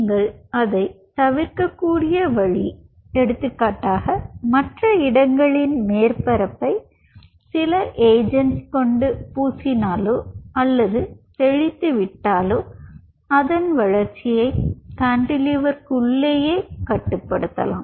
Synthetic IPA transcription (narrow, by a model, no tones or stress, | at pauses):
ŋɡɐɭɐðɐɪt̪ɐʋɪɾkɐkːuːɽɪjɐʋɐɻi | ɛɽɯt̪ːɯkːaːʈːaːɣɐmɐʈrɐɪɽɐŋɡɐɭɪnmeːɾpɐɾɐpːɐɪ | sɪlɐʔeːd͡ʒɐnʈskɔɳɖɯpuːsɪnaːloːɐlːɐðɯt̪ɛɻɪt̪ːɯʋɪʈːaːloː | ɐðɐnʋɐɻɐɾt͡ʃɪjɐɪk̪aɳɖɪlɪʋɐɾkʊɭːeːjeːkɐʈːɯpːɐɽɯt̪ːɐ̰la̰ːm